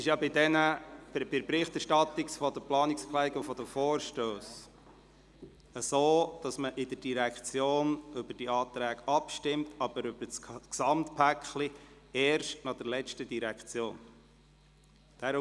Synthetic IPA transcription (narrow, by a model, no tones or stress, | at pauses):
ɪʃjɑbɪdɛnə̥bɪɾpɾɪχt̪æɾʃtɑt̪ːiksfɔd̥̪əplɑːnɪksplɛɡufɔd̥əfoːɾʃtøːs | əsoːd̥ɑsməʔɪdəɾd̥iɾækt͡sjoːnʏbəɾd̥iɑːt̪ɾæːɡɑpʃtɪmtʰɑb̥əɾʉb̥ət͡sksɑmt̪pʰækχli | ɛːɾʃtnɑχd̥ɛɾlɛt͡ʃtədiɾækt͡sjoːn | d̥æːɾ